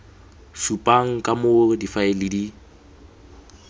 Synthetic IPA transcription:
supʼaŋ̩kʼamʊdifaɪlɪdi

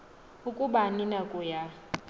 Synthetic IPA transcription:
ʊkʼʊbaninakʼɔja

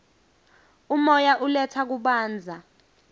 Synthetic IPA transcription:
umɔjaʔulɛtʰak̬uɓaːnd͡zʱa

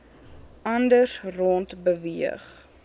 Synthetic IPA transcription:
ʔɐndəsrɔntbəviə̰χ

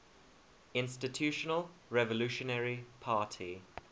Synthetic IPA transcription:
ɪ̃nstɪtʰjʉːˑʃənəlɹɛvəlʉˑʃənɛɹipʰaːˑtʰi

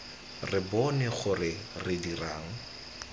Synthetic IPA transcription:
rɪbɔnɛχʊrɪrɪdiraːŋ̩

